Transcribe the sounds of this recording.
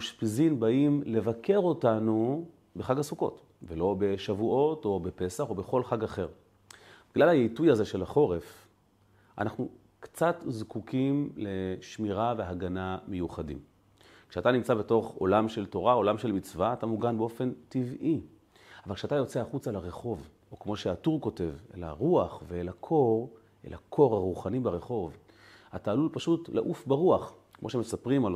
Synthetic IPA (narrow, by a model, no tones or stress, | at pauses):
uʃpizimbaimle̞vake̞ʁo̞tanu | be̞χaɡasuko̞̰t | velo̞be̞ʃavuʔo̞to̞be̞pe̞saχo̞be̞χo̞lχaɡaχe̞ʁ | biɡlalhajejtujaze̞ʃe̞lhaχo̞ʁef | ʔa̰naχnu | kt͡satzkukimle̞ʃmiʁave̞aɡaname̞juχadḭm | kʃeatanimt͡sabe̞to̞χo̞̰lamʃe̞lto̞ʁao̞lamʃelmit͡svaːtamuɡanbeo̞fe̞ntivʔi | avalkʃeatajo̞t͡seaχut͡salaʁe̞χo̞v | okmo̞ʃeatuʁko̞te̞vḛla̰ʁuaχvelakʰo̞ʁ | ḛlʔakʰo̞ʁhaʁuχanibeʁe̞χo̞v | ataːlulpaʃutlḛʔufbaʁuaχ | kmo̞ʃeme̞sapʁimal